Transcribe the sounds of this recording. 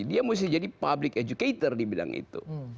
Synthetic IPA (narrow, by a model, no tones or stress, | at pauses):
diamus̬ɪhd͡ʒadipablɪked͡ʒukeit̪ərdibila̰ŋʔḭt̪ṵ